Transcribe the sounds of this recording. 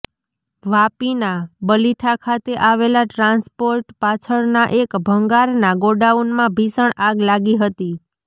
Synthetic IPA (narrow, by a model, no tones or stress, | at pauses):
ʋapinabəliʈʰakʰat̪eʔaʋelaʈɾanspoɾʈpat͡ʃʰəɾnaʔekbʱəŋɡaɾnaɡoɖaunmãbʱisəɳaɡlaɡiɦət̪i